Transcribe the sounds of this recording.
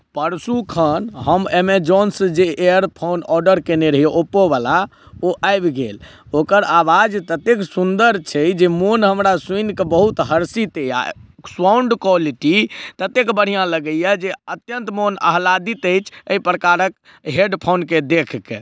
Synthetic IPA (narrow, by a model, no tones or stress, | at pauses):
pəɾsukʰənɦəmemed͡ʒɔnsd͡ʒeʔeəɾpʰonɔɾɖəɾkeneɾəɦieʔopobala | oʔajbɡel | okəɾaʋad͡ʒt̪ət̪eksund̪əɾt͡ʃʰɛd͡ʒemonɦəmɾasuinkebəɦut̪ɦəɾsit̪eja̰swauɳɖkwaliʈit̪ət̪ekbəɽ̤ijãləɡəjɛd͡ʒeət̪jənt̪monə̰ɦlad̪it̪əjt͡ʃʰəipɾəkaɾək | ɦeɖpʰonked̪ekʰke